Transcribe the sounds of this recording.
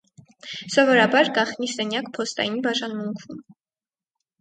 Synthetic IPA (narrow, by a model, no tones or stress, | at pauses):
sɔvɔɾɑbɑɾɡɑχnisɛnjɑkpʰɔst̪ɑ̰jinbɑʒɑnmuŋkʰum